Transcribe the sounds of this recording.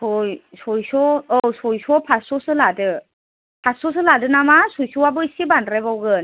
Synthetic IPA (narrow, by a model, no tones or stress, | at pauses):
sɔjsɔjsɔɔsɔjsɔpʰasɔsɯladɯ | pʰasɔs̬ɯladɯnamasujsɯwabɯisibandɾebawɡɯn